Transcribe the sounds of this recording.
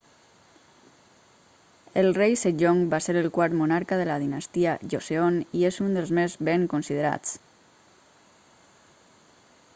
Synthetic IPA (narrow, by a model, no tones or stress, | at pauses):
əlˠrejseʒoŋbaseɾəlˠkwaɾt̪munaɾkəðələðinəst̪iəʒoseoniezund̪əlˠzmezβeŋkonsiðəɾa̰t͡s